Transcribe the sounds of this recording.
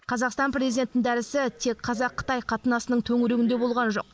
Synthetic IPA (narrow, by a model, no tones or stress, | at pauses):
qʰɑzɑqst̪ɑnprʲe̞zijd̪ʲe̞nt̪ɪnɪnd̪æɾɪsɪt̪ʰe̞kqʰɑzɑqʰːə̥t̪ɑjqʰɑt̪ənɑsənəɴt̪ʰɵŋɪɾeɡʲɪnd̪e̞bo̞lˠʁɑnʒo̞̰q̚